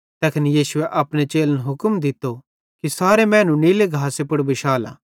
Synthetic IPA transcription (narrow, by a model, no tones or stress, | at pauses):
t̪ɛːkʰɪnijiːsʊeʔɐpnet͡ʃeːlənɦʊkəmd̪ɪt̪ːo | kisaːɾemɛ̃ːnũniːleɡʱaːsepʊɽbɪʃaːla̰ː